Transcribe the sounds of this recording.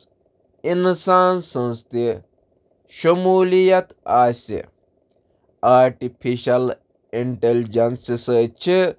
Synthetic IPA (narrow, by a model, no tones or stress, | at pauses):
insaːnsɐ̃nst̪i | ʃɐmuːlijɐt̪aːsʲḭ | aːɾʈipʰiʃɐl | iɳʈeld͡ʒɐnsisəːt͡ʃʰi